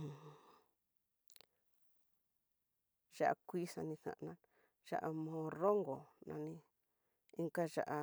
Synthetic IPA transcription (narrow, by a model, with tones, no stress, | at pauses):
ʒa˦ʔa̰˧kʷi˦sã˧nĩ˧θã̰˨˧˨nã˦n | ʒa̰˦ʔa˧mõː˧˦˧ro˦ŋɡo˨nã˧nĩ˧ | i˦ŋka˦ʒa̰˧ʔa˧